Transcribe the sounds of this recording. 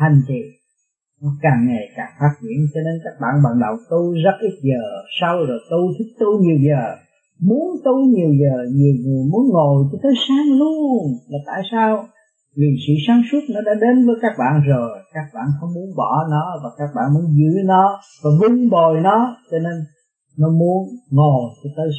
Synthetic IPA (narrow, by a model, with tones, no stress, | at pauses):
t̪ʰa˨˩jŋ̟t̪ḭ˧˨n | nɔ˨˦kaː˨˩ŋŋa˨˩jkaː˨˩faː˦˥t̚t͡ɕwḭ˧˩˨ənt͡ɕɔ˧ne˧nkaː˦˥k̚ɓa̰ː˧˨nɓa̰ː˧˨˩nɗə˨˩wt̪u˧zə˦˥t̚ʔi˦˥t̚zəː˨˩sa˧wzo˨˩jt̪u˧t̪ʰi˦˥k̚t̪u˧ɲi˨˩əwzəː˨˩ | mu˨˦ənt̪u˧ɲi˨˩əwzəː˨˩ɲi˨˩əwɲɨ˨˩jmu˨˦ənŋo˨˩jt͡ɕɔ˧t̪ʰə˨˦jsaː˨˦˥ŋlu˧əŋlaː˨˩t̪a̰ː˧˨jsaː˧w | vi˨˩sɨ̰˧˨saː˨˦nsu˦˥t̚nɔ˨˦ɗa̰ː˧˥ɗe˨˦nvəː˨˦jkaː˦˥k̚ɓa̰ː˧˨nzo˨˩jkaː˦˥k̚ɓa̰ː˧˨nxə˧wŋ͡mmu˨˦ənɓɔ˧˩˦nɔ˨˦vaː˨˩kaː˦˥k̚ɓa̰ː˧˨nmu˨˧˦ənzɨ̰˧˥nɔ˨˦ | vaː˨˩vu˧ŋɓo˨˩jnɔ˨˦t͡ɕɔ˧ne˧nː | ɔ˨˦mu˨˦ənŋo˨˩jt͡ɕɔ˧t̪ʰəː˨˦j